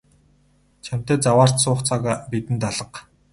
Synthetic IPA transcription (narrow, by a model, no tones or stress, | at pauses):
t͡ɕʰam̥t̪eːt͡sawaːr̥t̪sʊːχt͡sʰaɣaːpit̪ɘ̆nt̪aɮə̆q